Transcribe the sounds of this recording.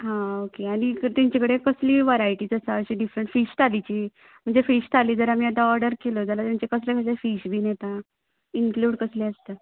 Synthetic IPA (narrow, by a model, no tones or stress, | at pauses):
ɦãokeaɽ̃it̪aɲt͡ɕekəɽekəsliːʋaɾaiʈiːd͡zəsaəɕiːɖifɾəɳʈfiɕt̪ʰalit͡ɕiː | m̤əɳd͡zefiɕt̪ʰaliːd͡zəɾamiːat̪ãɔɾɖəɾkelod͡zalat̪jaɲt͡ɕekəslekʰəsefiːɕbʱiːnet̪a | iŋkluːɽkəsleəst̪a